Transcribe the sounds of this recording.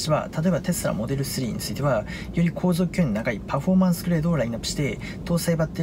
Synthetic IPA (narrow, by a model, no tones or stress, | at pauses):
ɕiβa̰t̪ʰat̪o̞e̞bat̪e̞sɨɾa̰mo̞d̪e̞ɾɯ̟sɨɾʲiːɲḭt͡sɨit̪e̞βa | jo̞ɾʲikʰo̞ːzo̞ːkʲɯ̃nːonakaipaɸo̞mãɰ̃sɨ̥kɯ̟ɾe̞ːd̪oːɾainakɯ̥ɕi̥t̪e̞ | t̪ʰo̞ːsaebat̪ːe